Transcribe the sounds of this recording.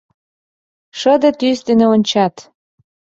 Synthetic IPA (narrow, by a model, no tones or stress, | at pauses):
ʃə̆d̪ĕt̪yst̪eneonʲt͡ɕɑt̪